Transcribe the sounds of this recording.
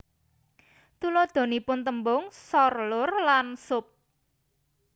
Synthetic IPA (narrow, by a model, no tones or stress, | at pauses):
t̪ulod̪̥o̤nipʊnt̪əmbʊŋsɔrlʊrlansʊp̚